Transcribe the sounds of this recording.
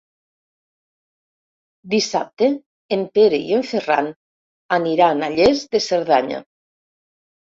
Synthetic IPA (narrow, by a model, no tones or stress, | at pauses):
d̪isap̚t̪eː | mpeɾeḭeɱfera̰n | aniɾanaʎezðeseɾð̞aɲa̰